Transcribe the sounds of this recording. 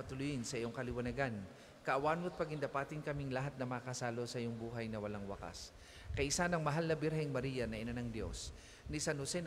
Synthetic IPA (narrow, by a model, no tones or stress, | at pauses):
ɐt̪ʊlʊjɪnsɐʔijoŋkɐlɪwɐnɐɡan | kɐʔɐwaːnʊt̪̚pɐɡɪnd̪ɐpaːt̪ɪnkɐmiŋlɐɦat̪̚nɐmɐkɐsaːlo̞sɐʔjoŋbuːɦɐjnɐwɐlaŋwɐ̰ka̰s | kɐʔɪsanɐŋmɐɦalnɐbɪɾɦajŋmɐɾijɐnɐʔɪnanɐŋd̪jo̞̰s | nɪsanhʊsɛn